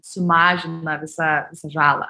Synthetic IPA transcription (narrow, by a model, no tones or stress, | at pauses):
sʊmaʒinɐd̪ɛsɐd̪ɛsɐʒalɐ̰